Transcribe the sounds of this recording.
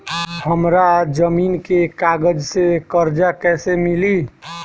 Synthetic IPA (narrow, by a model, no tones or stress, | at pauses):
həmɾad͡ʒəmiːnkekaːɡəd͡ʒsekəɾd͡ʒakɛːsemɪli